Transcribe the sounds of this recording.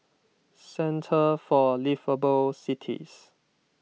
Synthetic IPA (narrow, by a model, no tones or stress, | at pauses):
sɛ̃ntʰəfɔlivəbulsitʰḭs